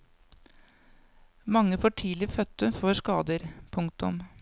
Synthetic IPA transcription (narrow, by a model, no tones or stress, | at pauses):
mɑŋːəfoːʈʰiːlɪfœt̪ːəfoːʂkɑːd̪əɾpʰʊŋkt̪ʊ̰m